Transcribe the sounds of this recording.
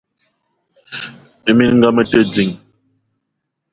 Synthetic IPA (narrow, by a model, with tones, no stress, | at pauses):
ə˨mi˦nŋ̩˦ɡa˦mə˦tə˦d͡zi˨ŋ